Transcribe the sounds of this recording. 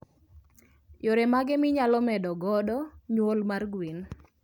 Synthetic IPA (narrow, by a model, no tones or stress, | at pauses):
joɾemaɡɛmɪɲalɔmɛdɔɡɔdɔɲwolmarɡwin